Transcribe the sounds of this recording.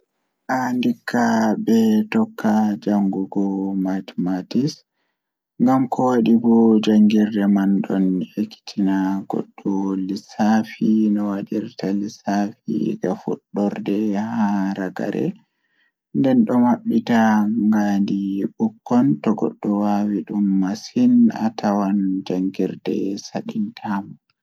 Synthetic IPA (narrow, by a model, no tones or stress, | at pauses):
ʔandikʰːabɛtɔkʰːad͡ʒaŋɡuɡɔmatmatis | ŋɡamkʰɔwaɗibɔd͡ʒaŋɡiɾdɛmanɗɔnekːi̥tʰinaɡ̥ɔ̰ɗːɔlisafinɔwaɗiɾtalisafḭɡafṵɗːɔɾdɛhaɾaɡa̰ɾɛ̰ | ndɛnɗɔmaɓːitaŋɡandibukːɔntɔɡɔ̰ɗːɔwawiɗumːasina̰tʰawand͡ʒaŋɡiɾdɛ̰saɗintʰam